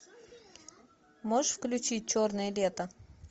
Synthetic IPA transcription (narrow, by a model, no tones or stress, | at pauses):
moʂfklʲʉt͡ɕit̚ʲt͡ɕornɨjəlʲet̪ə